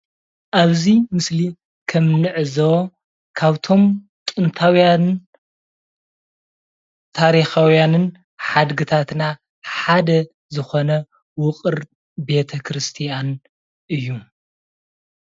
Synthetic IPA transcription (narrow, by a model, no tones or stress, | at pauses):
ʔaβzimɨsli | kʰɐmnɨʕɨzɐw | kʰaβt̪ʰo̞m | t͡ʃ̪ʼɨnt̪ʰawjan | t̪ʰaɾixawjanɨn | ħad̪ɡɨt̪ʰat̪na | ħad̪ɐ | zɨxo̞nɐ | wʊqʼɨɾ | be̞t̪ʰɐkʰɾɨst̪ʰijan | ʔɨjːu